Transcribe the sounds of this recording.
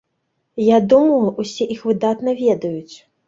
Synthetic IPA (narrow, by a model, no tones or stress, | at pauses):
jad̪umɐlˠʔusʲɛʔixvɨd̪at̪nɐvʲɛd̪ɐjut͡sʲ